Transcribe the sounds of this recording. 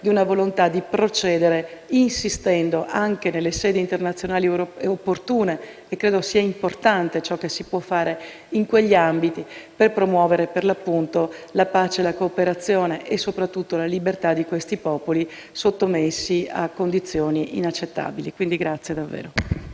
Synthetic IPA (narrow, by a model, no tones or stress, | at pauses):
d̪iunavolont̪ad̪ipɾot͡ʃɛːd̪eɾeinsist̪ɛnd̪oʔaŋkenelːesɛːd̪eint̪ernat̪sːjonaːliopːort̪uːneː | kːɾeːd̪osiːaimport̪ant̪et͡ʃɔkːesipwɔfːaːɾe | iŋkweʎːiambit̪iperpɾomwɔːveɾeperlapːunt̪olapaːt͡ʃelakoːpeɾat̪sːjoːneʔesːopɾat̪ːut̪ːolalibert̪ad̪ːikwest̪ipɔːpoli | sot̪ːomesːia̰kːond̪it̪sːjoːniḭnat͡ʃːet̪ːa̰ːbilikwind̪iɡɾat̪sːjed̪avːḛːɾo